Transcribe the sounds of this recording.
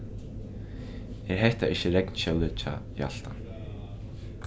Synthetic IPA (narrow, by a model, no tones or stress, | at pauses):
ɛɾ̥ɦɛjht̪aʔɪhçɪrɛknɕœwlʏðt͡ɕʰa̰ḭa̰ɬt̪a